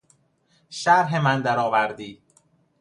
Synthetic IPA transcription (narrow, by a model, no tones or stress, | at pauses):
ʃæɾɦemænd̪æɾɒːvæɾd̪iː